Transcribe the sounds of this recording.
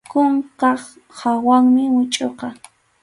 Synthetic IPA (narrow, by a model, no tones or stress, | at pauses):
kʊɴqɑχ | hawaŋmɪwʊt͡ʃʼoqɑ